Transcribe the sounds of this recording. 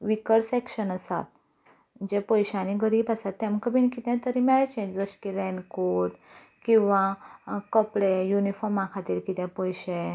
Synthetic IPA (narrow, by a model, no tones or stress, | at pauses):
ʋikəɽsɛkɕənasa̰t̪̚ | d͡ʑepɔjɕãniɡəɾiːbasat̪ːɛ̃mkəbinkit̪ɛ̃t̪əɾĩmɛɭt͡ɕẽd͡ʑd͡zəɕkiɾɛnkoʈ | kĩw̃ʋãkɔpɽejunifɔɾmãkʰat̪iɾkit̪ɛ̃pɔjɕe